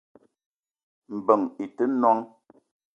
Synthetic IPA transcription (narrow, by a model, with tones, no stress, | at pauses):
m̩˨bə˨ŋi˨tə˦nwɔ˦ŋ